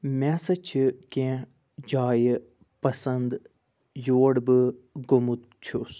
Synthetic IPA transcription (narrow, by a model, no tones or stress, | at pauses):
mʲɛːsɐt͡ʃʰikẽː | d͡ʒaːj | pɐsɐnd̪ | joːɽbɨɡomut̪ | t͡ʃʰus